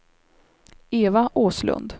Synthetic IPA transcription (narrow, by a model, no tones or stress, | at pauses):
eːvaʔoːslɵ̰nd̪